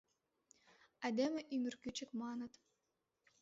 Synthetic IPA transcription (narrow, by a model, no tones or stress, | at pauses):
æd̪ʲemʲɘʔymyrkyt͡ɕɘ̆kmɑnɤ̆t̪